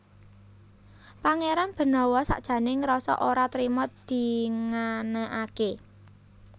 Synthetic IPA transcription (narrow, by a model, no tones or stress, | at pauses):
paŋeɾanb̥ə̤nɔwɔsa̰ʔd̥ʒ̥ä̤nɪŋɾɔsɔ̰ʔoɾat̪ɾimɔt̪̚d̪̥i̤ŋanəʔake